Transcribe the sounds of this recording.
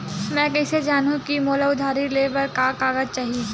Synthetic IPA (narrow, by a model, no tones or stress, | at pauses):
mɛ̃ːkɛːsed͡ʒaːnũkimoːlaʊd̪ʱaːɾileːbəɾkaːkaːɡəd͡ʒt͡ʃaːɦie